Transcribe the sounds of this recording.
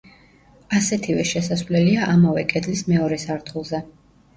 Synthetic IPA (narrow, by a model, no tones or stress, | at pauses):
asɛt̪ʰivɛʃɛsasvlɛliaʔamavɛkʼɛd̪lismɛɔɾɛsaɾt̪ʰχulˠzɛ